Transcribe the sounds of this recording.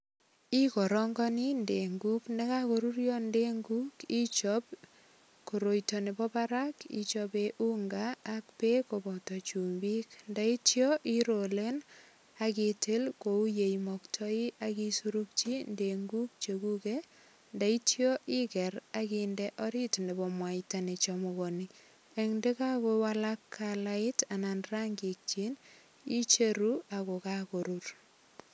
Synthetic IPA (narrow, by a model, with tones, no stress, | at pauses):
i˦kɔ˨ɾɔ˦ŋɡɔ˦ni˦nde˨ŋɡu˦kne˦kako˨ɾu˦ɾjɔ˦nde˦ŋɡu˦ki˦t͡ʃɔ˦p̚ | ko˨ɾo˨jtɔ˨ne˨bɔ˦paɾa˦kḭ˨t͡ʃɔbeʔu˦ŋɡaː˨k̚pe˦ko˨bɔ˨tɔ˨t͡ʃu˨mbi˦knda˦i˦tjɔ˦ʔi˦ɾo˨le˦n | a˨ki˨tʰe˦lko˨u˦je˨imɔktʰɔ˦i˦ʔaki˦suɾuk̚t͡ʃi˦ndeŋɡu˦k̚t͡ʃe˨ku˦ke | nda˦i˦tjɔ˦ʔi˦kɛ˨ɾakindɛʔɔ˦ɾi˦tne˨bɔ˨mwa˨itane˨t͡ʃɔmoɣɔni | e˨ŋnde˦ka˦kowala˦kʰːalaɪ˦tana˨nra˦ŋɡi˨k̚t͡ʃi˦n | i˦t͡ʃe˦ɾua˨ko˨ka˦ko˨ɾur